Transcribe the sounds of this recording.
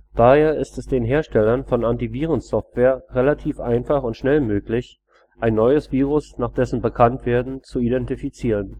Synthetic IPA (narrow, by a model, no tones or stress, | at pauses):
d̥aːheːɐʔɪstɛsd̥eːnɦeːɐʃtɛlɐnfɔnantiviːʁ̞ənsɔftv̥eːɐʁelatʰiːfʔaɪnfaχʊntʃnɛlmøːklɪç | ʔaɪnːɔʏəsv̥iːʁ̞ʊsnaːχd̥ɛsn̩bəkʰantv̥eːɐdn̩t͡suidɛntifit͡siːʁən